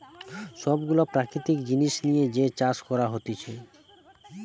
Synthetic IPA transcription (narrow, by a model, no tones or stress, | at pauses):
ʃɔbɡulopɾakɾit̪ikd͡ʑiniʃnijed͡ʑet͡ɕaʃkɔɾaɦot̪et͡ɕʰe